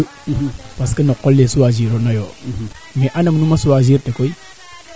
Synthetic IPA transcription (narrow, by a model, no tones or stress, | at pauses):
paskenokolːesuwaziɾonajo | meʔanamnumasuwaziɾtekoi